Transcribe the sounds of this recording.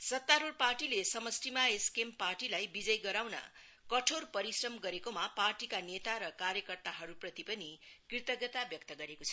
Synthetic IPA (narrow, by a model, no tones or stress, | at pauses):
sʌt̪ːaɾurparʈilesʌmʌsʈimaeskemparʈilajbid͡zʌjɡʌɾawnʌ̰ | kʌʈʰorpʌɾisrʌmɡʌɾekomaparʈikanet̪aɾʌkarjʌkʌrt̪aɦʌɾuprʌt̪ipʌnikrit̪ʌɡʌt̪abjʌk̚t̪ʌɡʌɾekot͡sʰʌ